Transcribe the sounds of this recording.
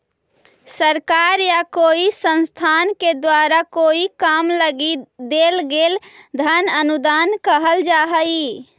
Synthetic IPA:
səɾkaɾjakoisə̃nst̪ʰanked̪waɾakoikamləɡid̪elɡeld̪ʱənənud̪ankəɦəld͡ʒaɦəj

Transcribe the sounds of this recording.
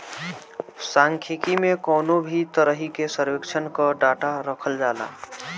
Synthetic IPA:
sãŋkʰekimekɔːnobʱit̪əɾəɦikesəɾwekt͡ʃʰənkəɖaʈaɾəkʰəld͡ʒaːla̰

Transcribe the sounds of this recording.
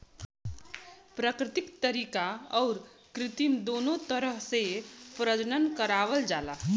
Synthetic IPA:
pɾəkɾɪt̪ikt̪əɾikaɔʊɾ | kɾɪt̪imd̪onot̪əɾəɦsepɾəd͡ʒnənkəɾaʋəld͡ʒala

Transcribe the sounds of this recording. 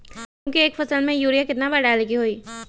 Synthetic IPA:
kũːkieːkfʰɐsəlmẽjuːɾijakɪt̪nabɐɖaːlekiɦoːiː

